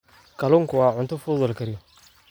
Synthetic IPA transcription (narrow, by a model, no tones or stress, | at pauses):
kʰɐlʊŋkʰʊwɑːʕʊnt̪ʰʊfuːðʊlkʰɐɾɪjɔ